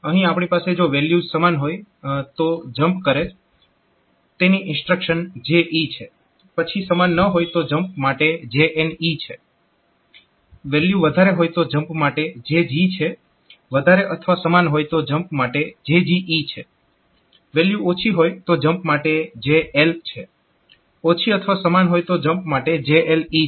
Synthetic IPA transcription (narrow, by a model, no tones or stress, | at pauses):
əɦĩapɳ̃ipased͡ʒoʋeljusəmanɦojt̪od͡ʒəmpkəɾe | t̪eniʔɪnsʈɾəkʃənd͡ʒeʔit͡ʃʰe | pət͡ʃʰisəmanːəɦojt̪od͡ʒəmp̚maʈed͡ʒeʔenit͡ʃʰe | ʋeljuʋəd̪ʱaɾeɦojt̪od͡ʒəmpmaʈed͡ʒed͡ʒit͡ʃʰe | ʋəd̪ʱaɾeʔət̪ʰʋasəmanɦojt̪od͡ʒəmpmaʈed͡ʒed͡ʒiʔit͡ʃʰe | ʋeljuot͡ʃʰiɦojt̪od͡ʒəmpmaʈed͡ʒeelt͡ʃʰe | ot͡ʃʰiət̪ʰəʋasəmanɦojt̪od͡ʒəmpmaʈed͡ʒeʔeli